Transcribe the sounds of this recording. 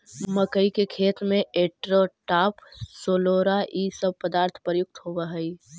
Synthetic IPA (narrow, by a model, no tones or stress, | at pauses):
məkəikekʰeːt̪mẽeʈɾoʈaːpsoːloɾaʔisəb̚pəd̪aːɾt̪ʰpɾəjʊk̚t̪ɦoʋəɦəi